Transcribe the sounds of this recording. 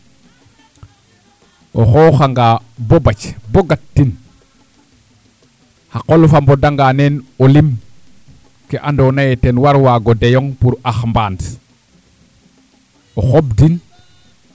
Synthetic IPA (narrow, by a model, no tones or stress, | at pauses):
ʔoxoːxaŋɡaːbobacboɡat̚ːin | haqolufambodaŋɡaːnenolim | keʔandoːnajetenwaɾwaːɡodejoŋpuɾaxmbaːnt | oxobdin